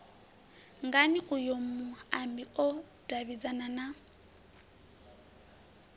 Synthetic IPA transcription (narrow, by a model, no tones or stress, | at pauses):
ŋɡanɪɣʊjomʊambiɔ | d̥abid͡zanana